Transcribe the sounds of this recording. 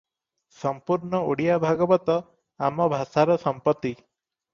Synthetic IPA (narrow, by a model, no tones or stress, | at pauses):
sɔmpuɾɳɔoɽijabʱaɡɔbɔt̪ɔ | amɔbʱasaɾɔsɔmpɔt̪ːi